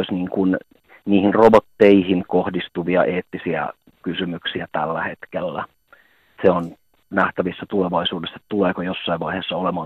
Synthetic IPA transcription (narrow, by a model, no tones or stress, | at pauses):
isniːŋkun | niːhinrobot̪ːeihinkohdist̪uʋiɑʔeːt̪ːisiæ̰ | kysymyksiæt̪ælːæhet̪kelːæ | seon | næht̪æʋisːæt̪uleʋɑisuːdesːe̥t̪t̪uleːkojosːɑiʋʋɑiheːsːɑolemɑː